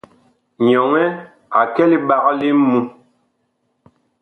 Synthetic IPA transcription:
ɲɔ˨ŋɛ˦ | a˨kɛ˦li˦ba˨ɣa˦li˦mː˦mu˦

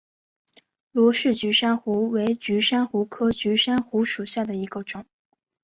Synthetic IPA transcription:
lwɔ˧˥ʂɻ̩˥˩t͡ɕy˧˥ʂa˥nxu˧˥we˧˥ɪt͡ɕy˧˥ʂa˥nxu˧˥kʰɤ˥t͡ɕy˧˥ʂa˥nxu˧˥ʂu˨˩ɕja˥˩d̪ə˩i˧˥ɡə˧ʈ͡ʂʊ˨˩˦ŋ

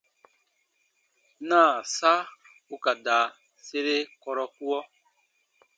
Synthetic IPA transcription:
nãː˦˨sa˦ | u˦ka˨daː˨ | se˦ɾe˦kɔ˦ɾɔ˦ku˦ɔ˦

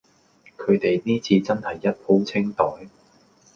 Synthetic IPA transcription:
kʰɵ˨˧ɥt̪e˨jniː˥t͡sʰiː˧t͡sɐ˥nhɐ˨jːɐ˥t̚ho˨˥wt͡sʰɪ˥ŋt̪ɔː˨˥j

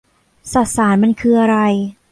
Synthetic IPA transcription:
sa˨˩t̪̚saː˩˦nma˧nkʰɯː˧ʔa˧ɾa˧j

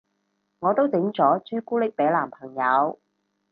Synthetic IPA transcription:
ŋɔː˨˧t̪o˥wt͡sɪ˨˥ŋt͡sɔː˨˥t͡syː˥kuː˥lɪ˥k̚pɛ˨˥laː˨˩mpʰɐ˨˩ŋjɐ˨˧w

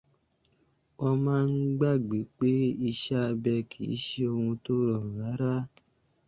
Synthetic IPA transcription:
ɔ˧mãː˦n̩˦ɡ͡ba˦˨ɡ͡be˨k͡pe˦i˧ʃa˦bɛ˧kʰi˨˦ʃe˦o˧hũ˧to˦ɾɔ˨ɾa˨˦ɾa˦

